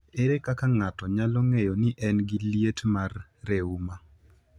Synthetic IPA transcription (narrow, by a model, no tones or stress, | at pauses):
eɾekakaŋatɔɲalɔŋejɔnɪʔɛnɡiljetmarːeuma